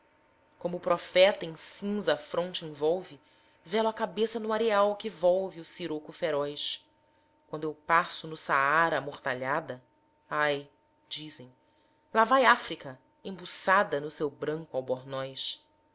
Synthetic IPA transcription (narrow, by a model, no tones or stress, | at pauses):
kõmʊːpɾɔfɛt̪ɐẽj̃sĩzɐfɾõnt͡ʃɪẽvɔwvɪ | vɛlʊɐkabesɐnʊaɾeawkɪvɔwviʊsiɾokʊfeɾɔjs | kwɐ̃nd̪ʊewpasʊnʊsaaɾɐamoχt̪aʎad̪ɐ | aj | d͡ʒizẽj̃ | lavajafɾikɐ | ẽbusad̪ɐnʊsewbɾɐ̃ŋkʊawbɔɾnɔjʃ